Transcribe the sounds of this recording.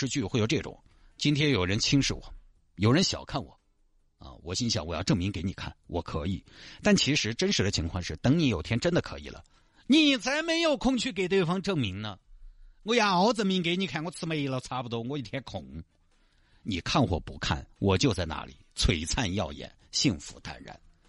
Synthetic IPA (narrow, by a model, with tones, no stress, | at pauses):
ʂɻ̩˥˧t͡ɕy˥˩xe˥˩ɪjo˧ʊʈ͡ʂɤ˥˩ʈ͡ʂʊ̰˨˩˦ŋ | t͡ɕi˥nt̪ʰjɛ˥njo˨˩ʊɻə˧˥nt͡ɕʰi˥ŋʂɻ̩˥˩wɔ̰˨˩˦ | jo˨˩ʊɻə˧˥nɕjɑ̰˨˩ʊkʰa˥˩nwɔ̰˨˩˦ | ə̰˧wɔ̰˨˩ɕi˥nɕjɑ˧˩wɔ˨˩jɑ̰˥˧ʈ͡ʂɤ˥˩ŋmi˧˥ŋke˧˥ɪni˨˩kʰa̰˥˩nwʔɔ̰˨˩kʰɤ˧˥i˨˩t̪a˥˩nt͡ɕʰi˧˥ʂɻ̩˧˥ʈ͡ʂə˥nʂɻ̩˧˥d̪ə˧t͡ɕʰi˧˥ŋkʰwɑ˥˧ŋʂɻ̩˥˩t̪ɤ˧˥ŋni˧˥jo˨˩ʊt̪ʰjɛ˥nʈ͡ʂə˥nd̪ə˨kʰɤ˧˥ḭ˨˩lə̰˦ | ni˧˨˩t͡sʰa˧˥ɪme˧˥ɪjo˨˩ʊkʰʊ˥˧ŋt͡ɕʰy˥˩k̬e˨˩ɪt̪we˥˩ɪfɑ˥ŋʈ͡ʂɤ˥˩ŋmi˧˥ŋnə˧ŋɔ˧ja˨˩o˧˥ʊt͡sə˨˩nmi˧˥ŋke˧ɪni˧˩kʰa˥˩ŋwɔ˧˥t͡sʰɹ̩˥˧me˧˩ɪi˧˩lə˧˩t͡sʰa˥pu˧t̪wɔ˥ŋwɔ˧˥i˥˧t̪ʰjɛ˧˥nkʰʊ˨˩˦ŋ | ni˨˩kʰa˥˩nxwɔ̰˨˩pu˧˥kʰa̰˥˩nwʔɔ˨˩t͡ɕjo˥˧ʊt͡sa˥˧ɪna̰˧˥lḭ˨˩˦t͡sʰwe˨˩ɪt͡sʰa˥˧njɑ̰˥˩ʊjɛ̰˨˩nɕi˥˩ŋfṵ˧˥t̪a̰˥˧nɻa̰˥˩˦n